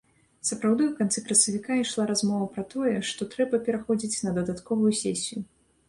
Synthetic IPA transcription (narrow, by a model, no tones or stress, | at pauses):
sɐpɾawd̪ɨwkant̪sɛkɾɐsɐvʲikaiʂlˠaɾazmɔvɐpɾɐt̪ɔjɛʂt̪ɔt̪ɾɛbɐpʲɛɾaxɔd͡zʲit͡sʲnɐd̪ɐd̪at̪kɔvujusʲɛsʲiju